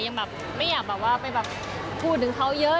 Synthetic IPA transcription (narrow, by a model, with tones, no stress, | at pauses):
ja˧ŋbɛː˨˩p̚ | ma˥˩jaː˨˩k̚bɛː˨˩k̚waː˥˩pa˧jbɛː˨˩p̚ | kʰuː˧˩t̪̚ːʰɯ˩˦ŋkʰa˦˥wjɤ˦˥